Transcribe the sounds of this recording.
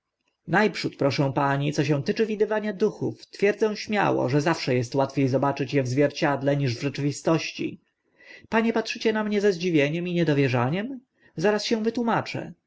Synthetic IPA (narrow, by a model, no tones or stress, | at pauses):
najpʂut̪pɾɔʂɛ̃w̃paɲit̪sɔɕ̬ɛ̃w̃t̪ɘt͡ʂɘvʲid̪ɘvaɲad̪uxuft̪fʲjɛɾd̪zɛ̃w̃ɕmʲja̰wɔ̰ʐɛzafʂɛjɛst̪wat̪fʲejzɔbat͡ʂɘt͡ɕjɛvzvʲjɛɾt͡ɕad̪lɛɲiʐvʐɛt͡ʂɘvʲist̪ɔɕt͡ɕḭ | paɲɛpatʂɘt͡ɕɛnamɲɛzɛzd͡ʑivʲjeɲɛmiɲɛd̪ɔvʲjɛʐaɲɛm | zaɾasɕɛw̃vɘt̪wumat͡ʂɛ̰